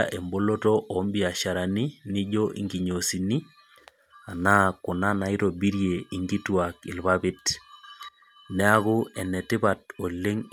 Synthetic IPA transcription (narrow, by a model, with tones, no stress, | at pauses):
a̰ʔe˨mbo˦lo˦tɔ˦ʔɔ˨˦mbɪ˦a˨ʃa˨ɾa˨ni˦nɪ˦ʄɔ˦ʔḭ˨ŋɡi˨ɲo˨si˨ni˦ | a˨na˦kʊ˨na˦na˨ɪ˦ɾo˨bi˦ɾje˨i˨ŋɡi˦twa˨kɪ̰˨lbabɪ˦t | nɛ˦a˦kʊ˦ɛ˨nɛ˨tɪ˦ba˨tɔ˨lːe˦ŋ